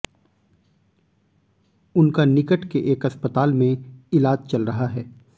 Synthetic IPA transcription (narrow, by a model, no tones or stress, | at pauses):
ʊnkanɪkəʈʰkeʔeːkɐspət̪aːlmẽɪlaːd͡ʒt͡ʃɐlɾɐɦaɦɛː